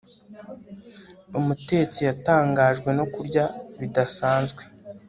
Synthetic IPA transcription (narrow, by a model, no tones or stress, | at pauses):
umute̞ːt͡sijataːŋɡaːʒɡwe̞no̞kuɾɟaβidasaːnzɡwe̞